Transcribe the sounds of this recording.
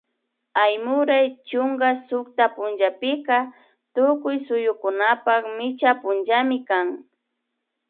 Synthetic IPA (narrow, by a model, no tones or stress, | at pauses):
ajmʊɾajt͡ʃʊŋɡasʊk̚t̪apʊnʒapɪka | t̪ʊkʊjsʊjʊkʊnapakmɪt͡ʃapʊnd͡ʒamɪkaŋ